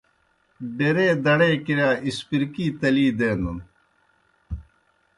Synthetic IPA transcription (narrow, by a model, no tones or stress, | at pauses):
ɖeɾeːd̪ɐɽeːkiɾaːispiɾkiːt̪ɐliːd̪eːnun